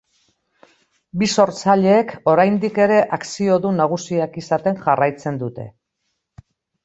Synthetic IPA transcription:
biso̞ɾt͡saʎe̞ːko̞ɾajnd̪ike̞ɾe̞ʔaksio̞ðunaɣ̞usiakisat̪e̞ŋʝarajt͡se̞nd̪ut̪e̞̰

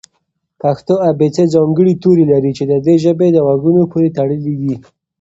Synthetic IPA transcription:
paxt̪oabet͡sed͡zɑŋɡəɽit̪oɾelaɾit͡ʃed̪əd̪eʒəbed̪əɣaɡunopoɾet̪aɽəlid̪i

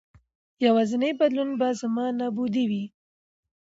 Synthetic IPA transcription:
jawɑzənəjbad̪lunbazamɑnɑbud̪iwi

